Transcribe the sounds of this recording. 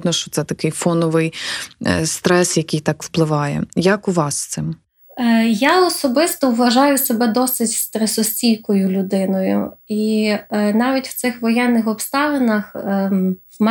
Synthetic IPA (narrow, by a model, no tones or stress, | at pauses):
d̪nɔʃt͡ʃɔ̥t̪sɛt̪ɐkɪjfɔnɔʋɪj | st̪ɾɛsjɐkʲɪjt̪ɑkw̥plˠɪʋɑjɛ̰jɐkuʋɑsːt̪sɪm | jaɔsɔbɪst̪ɔwʋɐʒɑjʊsebɛd̪ɔsɪtʲst̪ɾɛsɔsʲt͡sʲijkɔjʊlʲʊd̪ɪnɔjʊ̰i | nɑʋʲitʲw̥t̪sɪxʋɔjɛnːɪxɔpst̪ɑʋenɐx | mɛ